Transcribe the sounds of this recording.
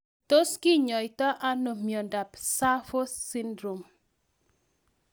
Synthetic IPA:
to˦skɪ˦ɲɔ˨ɪ˨tɔ˦ʔa˦no˨mjo˨nda˨psa˦fo˦si˦ndɾo˨m

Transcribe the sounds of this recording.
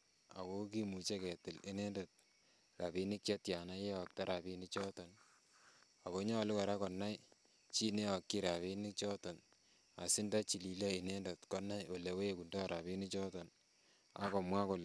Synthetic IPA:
a̰˨ko˦k̬i˦mu˨t͡ʃe˦kɛ˨tɪ˨li˦ne˦nda˨t̚ | ka˨bi˦ni˦k̚t͡ʃe˦tja˨na˦je˦ɔ˨k̚ta˦ɾʔa˨pi˦ni˦t͡ʃɔ˦tɔ˨n | a˨ko˦ɲɔ˦˨lu˦kɔ˨ɾa˦kɔ˨nːa˦j | t͡ʃi˦ne˦a˨kːi˦ɾa˨βi˦ni˦t͡ʃɔ˦tɔ˨n | a̰˨si˦nda˦t͡ʃi˨li˨le˦i˨ne˦nda˨tkɔ˦na˦jo˨le˨we˦e˨ku˨ndɔ˦˨ɾa˨βi˦ni˦t͡ʃɔ˦tɔ˨n | a̰˦kɔ˨mwa˦ko˨l

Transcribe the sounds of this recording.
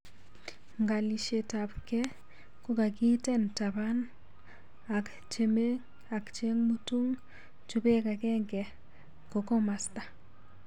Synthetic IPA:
ŋɡa˨li˨ʃe˨ta˨pkɛ˦ | ko˦ka˨ki˦tɛ˦˨nta˨ba˦n | a˨k | t͡ʃe˨me˦ | a˨kt͡ʃe˦ŋmu˦tu˦ŋ | t͡ʃu˦be˦ka˨kɛ˦ŋɡɛ˨ | ko˨kɔ˦ma˨sta˨

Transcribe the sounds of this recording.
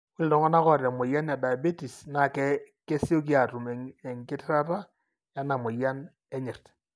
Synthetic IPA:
o˦li˨dɔ˨ŋɔ˦na˦kɔ˦˨ɾa˨mo˨ja˦na˨da˨ja˨be˦ti˨sna˨kɛ˦ke˦si˦o˦k̬i˦a˨tu˨m˨ɛ˨ŋkɪ˦tɪ˦ɾa˦ta˦ | ja˦na˨mo˨ja˦n | ɛ˦ɲe˨rt

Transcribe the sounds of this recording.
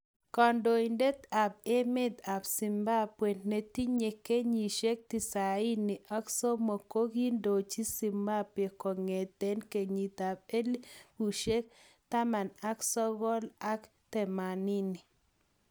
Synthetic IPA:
kɔ˨ndo˨i˨nde˦t̪a˨p̚e˦mɪ˦t̪a˨psi˨mba˦pwe˨nne˨t̪i˦ɲe˨ke˦ɲi˨ʃe˦k̚t̪i˨sa˨i˦ni˨ʔa˦kso˦mo˨ko˦ɡi˦ndo˨t͡ʃi˦si˨mba˦pe˨ko˨ŋe˨t̪e˦nke˨ɲi˨t̪a˨b̚e˦lu˨ʃe˦k̚ | t̪a˦ma˨na˦ksɔ˦ɣɔ˦la˦k | t̪ɛ˨ma˨ni˦ni˨

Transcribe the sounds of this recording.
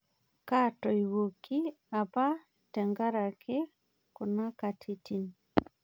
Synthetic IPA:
katɔ˨i˨wo˨ki˦ | a˨pa˦ | tɛ˨ŋɡa˦ɾa˨kʰɪ˦ | kʊ˨na˦ka˨tʰi˦ti˨n

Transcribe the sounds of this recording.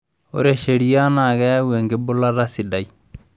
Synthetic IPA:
o̰˦ɾe˨ʃe˨ɾi˦ja˦na˨ɡɛ˦we˨ŋɡe˦bu˦la˦ɾa˦si˨da˨j

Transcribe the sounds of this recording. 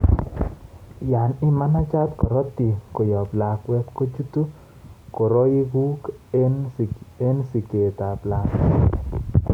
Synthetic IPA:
ja˨nɪ˦ma˦na˦t͡ʃa˦t̪kɔ˨ɾɔ˦t̪i˨ko˨jɔ˨bla˨kwɛ˦tko˦t͡ʃu˦t̪u˦ | ko˨ɾɔ˦i˦ɡu˦kene˦nsi˨ke˨t̪a˨bla˨k

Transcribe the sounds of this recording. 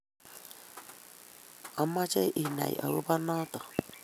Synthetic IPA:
ɔ˦ma˦t͡ʃe˦ʔi˨na̰˨j̰ʔɔ̰˨ɾʊ˦ba˦nɔ˦tɔ˨

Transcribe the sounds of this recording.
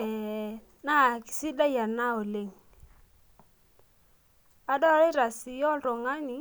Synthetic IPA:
ɛ˨ | na˦˨ki̥˨si˦da˦ja˨na˦o˨le˦˨ŋ | a˨dɔ˦ɾɪ˦ɾa˨si˨jɔ˦lɾo˨ŋa˦ni˨

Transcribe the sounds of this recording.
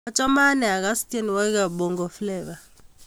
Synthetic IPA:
a˦t͡ʃʼa˦ma˦nɛ˨a˨k̬a˦stʼɛ˦nwa˦k̬a˨ɓɔ˨ŋɡɔ˨flɛː˨ɓa˨

